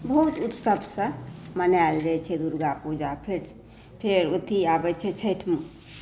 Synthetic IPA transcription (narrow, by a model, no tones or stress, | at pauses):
bəɦut̪ut̪səbʱsə̃mənald͡ʒət͡ʃʰɛd̪uɾɡapud͡ʒapʰeɾ | pʰeɾot̪ʰiabɛt͡ʃʰɛt͡ʃʰəjʈʰm